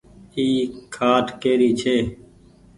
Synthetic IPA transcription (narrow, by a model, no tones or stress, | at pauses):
iːkʰaːʈkeːɾiːt͡ʃʰeː